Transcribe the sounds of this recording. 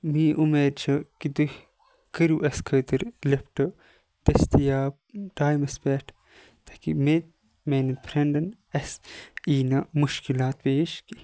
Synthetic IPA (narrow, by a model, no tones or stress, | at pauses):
miːʔumeːɾt͡ʃʰɐkid̪uh | kəɾjuʔɐskʰɐːt̪ɨɾlepʈɐ | d̪̥ɐst̪ijaːb̚ɖaːjmɐspeːʈʰ | t̪ɐ̥kimet̪̚ | menipʰɾeɳɖɐn | ɐsiːnɐmuʃkilaːt̪peːʃki